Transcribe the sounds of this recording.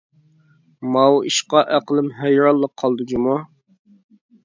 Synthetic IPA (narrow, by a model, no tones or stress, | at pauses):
mɑwḭʃqɑʔæqəlˠɪmɦæjɾɑlˠːəqʰːɑlˠd̪ud͡ʒumu